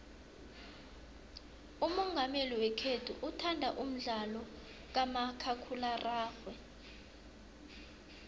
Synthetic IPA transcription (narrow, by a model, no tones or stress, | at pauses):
umɔŋɡʱameliwɛkʰetʰuʔutʰandʱaʔum̩ɮalɔ | k̬amakʰakʰularaːxwɛ